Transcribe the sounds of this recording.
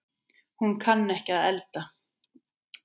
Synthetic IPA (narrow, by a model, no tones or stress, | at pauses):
hunkʰanːɛhcɪaðɛlt̪a